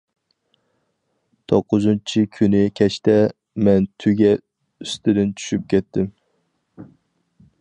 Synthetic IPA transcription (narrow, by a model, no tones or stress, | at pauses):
t̪ʰoqʰːʊzɨnt͡ʃʰɪkʲʰynɪkʲʰɛʃt̪ɛ | mɛnt̪ʰyɡʲɛ | yst̪ɪd̪ɪnt͡ʃʰy̥ʃyp̚kʲʰɛt̪ːɪm